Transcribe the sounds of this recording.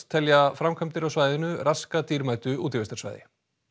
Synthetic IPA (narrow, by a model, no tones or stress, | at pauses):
t̪ʰɛljafɾamkʰœmt̪ɪɾawsvaːjðɪnʏɾaskat̪iːɾmaːjt̪ʏuːt̪ɪɾvɛst̪ḁva̰jðɪ̰